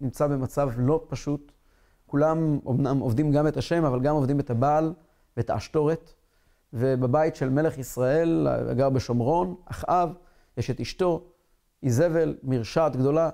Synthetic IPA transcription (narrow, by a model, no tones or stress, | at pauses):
nimt͡sabe̞mat͡savlo̞paʃut̪ | kulamonamovd̪imɡametaʃe̞mavalɡamo̞vd̪imet̪abaːl | vetaːʃto̞ʁe̞t | vebebajitʃe̞lme̞le̞χisʁaʔe̞l̰a̰ɡaʁbeʃo̞mʁo̞naχʔav | jeʃetiʃto̞ | ʔize̞ve̞lmiʁʃaːt̪ɡd̪o̞la